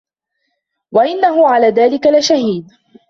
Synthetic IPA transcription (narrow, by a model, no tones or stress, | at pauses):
waʔɪnːaɦʊʕalaːðaːlɪkalɪʃahiːd̪